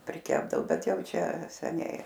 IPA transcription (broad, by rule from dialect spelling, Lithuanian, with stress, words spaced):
pʲrʲɪˈkʲæːbdɐoː ˈbʲɛt ˈjɛʊ ˈt͡ʃʲɛ sʲɛˈnʲɛɪ